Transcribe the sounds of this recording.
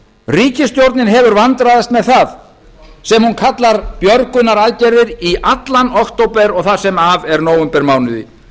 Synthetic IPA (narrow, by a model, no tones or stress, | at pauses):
riːcɪst̪jowɾt̪nɪnɦɛvʏɾvant̪ɾaðast̪mɛðθað | sɛmhunkʰat̪laɾpjœɾkʏnːaɾaðcɛɾðɪɾiʔat̪lanɔht̪owpɛɾɔɣθaðsɛmavɛɾnoːwʏmpɛɾmaːwnʏðḭ